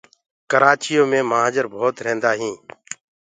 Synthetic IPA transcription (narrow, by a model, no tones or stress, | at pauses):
kəɾaːt͡ʃɪjõːmẽːməaːd͡ʒəɾbʱoːt̪ɾẽːnd̪aːɦĩː